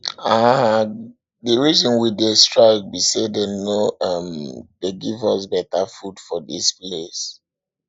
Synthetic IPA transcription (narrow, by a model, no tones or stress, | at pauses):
a | dəɹizɔ̃nwidestɹaɪk̚bisedenoʌmdeɡivɔsbɛtafudfɔdḭsples